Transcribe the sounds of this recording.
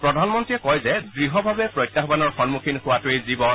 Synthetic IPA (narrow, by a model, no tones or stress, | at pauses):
pɹɔdʱanmɔntɹiɛkɔjzɛdɹiɦɔbʱabɛpɹɔjtːaxbanɔɹxɔnmukʰinxʊwatʊezibɔn